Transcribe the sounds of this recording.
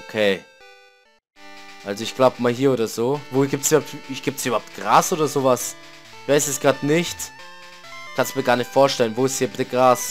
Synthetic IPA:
ʔokʰeː | ʔalzoɪçɡ̥laʊbəmaːlɦiːɐoːdɐzoːvoːɡiːp̚tsybɐhptɪɡ̥iːp̚tsiybɐhaʊp̚tɡ̥ʁaːsʔoːdɐzoːvasçv̥aɪsɛsɡ̥ʁaːtnɪçt | çkʰanstmiːɐɡaːɐnɪçtfoːɐʃtɛlənvoːɪstshiːɐbɪtəɡʁaːs

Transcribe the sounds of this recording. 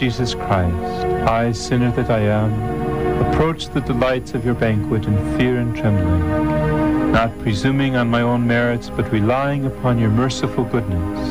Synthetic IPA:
izɨskʰɹ̥aɪstaɪsɪ̃nə˞ðɨɾaɪə̃məpʰɹ̥oʊt͡ʃðɨdəlaɪtsʌvjə˞bæ̃ŋkʰwɨɾɨ̃nfɪɹɨ̃ntʰɹ̥ɛ̃mbl̩ˠɪ̃ŋ | nət̚pʰɹ̥izʉ̃mɪ̃ŋə̃nmaɪõʊ̃nmɛɹɨtsb̥ʌt̚ɹilaɪɪ̃ŋəpʰɑ̃njə˞mɜ˞sɨfl̩ˠɡʊdⁿnɨs

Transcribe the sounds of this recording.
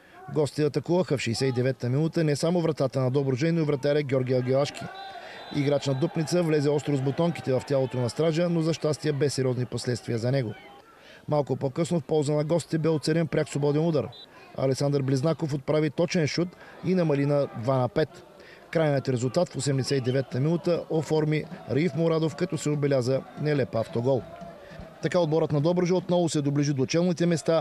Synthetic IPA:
ɡɔst̪ʲit̪ɛɐt̪ɐkuvəxəfʃɛːsɛid̪ɛvɛt̪ːəminut̪ənɛsamovɾɐt̪at̪ənɐd̪ɔbɾʊʒɛnoivɾɐt̪aɾɛɡʲɔɾɡʲiɐɡʲilˠaʃk̟ḭḭɡɾat͡ʃnɐd̪opnit̪səvlɛzɛɔst̪ɾozbot̪ɔŋki̥t̪ɛvɐft̪ʲjalˠot̪onɐst̪ɾaʒənozɐʃt̪ast̪iəbɛsːɛɾiɔzniposlɛt̪st̪viəzɐnɛɡo | malˠkʊpokɤsnofpɔlˠzənɐɡɔst̪i̥t̪ɛbɛot̪sɛɾɛnpɾʲaksˠobɔd̪ɛnud̪aɾ | ɐ̰lɛksand̪əɾbliznakofot̪̚pɾavit̪ɔt͡ʃɛnʃut̪inɐmɐlinɐd̪vanɐpɛt̪ | kɾajnəət̪ɾɛzulˠt̪at̪fosɛmd̪ɛsɛt̪id̪ɛvɛt̪ːəminut̪əʔofɔɾmiɾifmoɾad̪ofkɐt̪ɔsɛobɛlʲazənɛlɛpaft̪oɡɔlˠ | t̪ɐkaod̪̚bɔɾət̪nɐd̪ɔbɾəʒəot̪nɔvʊsɛd̪obliʒid̪oːt͡ʃɛlˠnit̪ɛmɛst̪a

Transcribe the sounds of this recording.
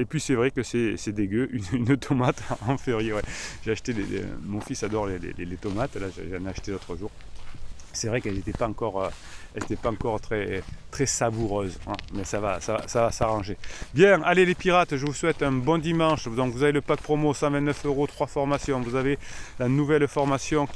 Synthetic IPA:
epɥisɛvʁɛkəsɛsɛd̪eɡʲøʔynynt̪ʰɔmat̪ɑ̃ɑ̃feʁijewɛʒ̥eaʃə̥t̪elḛmɔ̃fisad̪ɔʁlelḛlelet̪ɔmat̪laʒḛʒeɛ̃nɛaʃə̥t̪elot̪χəʒuʁ | sɛvʁɛkɛlzet̪ɛpaɑ̃kɔʁø | ɛlzet̪ɛpaɑ̃kɔʁt̪χɛt̪χɛsabuʁøzɛ̰̃mɛsava̰sava̰savasaʁɑ̃ʒebjɛ̃alelepiʁat̪ʒəvuswɛt̪ɛ̃bɔ̃d̪imɑ̃ʃd̪ɔ̃ŋkvuzaveləpak̚pχɔmosɑ̃vɛ̃nt̪nœføʁot̪χwafɔʁmasjɔ̃vuzavelanuvɛlfɔʁmasjɔ̃k

